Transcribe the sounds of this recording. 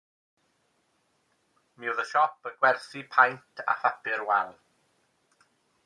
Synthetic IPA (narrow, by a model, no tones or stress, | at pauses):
miwðəʃɔpəɡwɛrθipʰajntʰa̰fapɪɾwɛlˠ